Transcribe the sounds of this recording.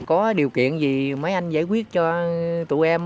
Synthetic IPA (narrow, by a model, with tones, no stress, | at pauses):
kɔ˨˦ɗi˨˩əwkḭ˧˨ənzi˨˩mə˨˦jʔa˧jŋ̟za̰ː˧˥jkwi˦˥ət̚t͡ɕɔ˧t̪ṵ˧˨ʔɛ˧m